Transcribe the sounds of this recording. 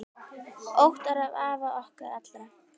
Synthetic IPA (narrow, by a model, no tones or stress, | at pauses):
owht̪aɾhavaːvaʔɔhkaɾat̪lɾa